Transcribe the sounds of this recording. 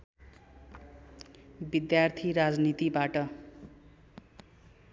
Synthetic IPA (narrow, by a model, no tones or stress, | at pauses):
bid̪jart̪ʰiɾad͡znit̪ibaʈʌ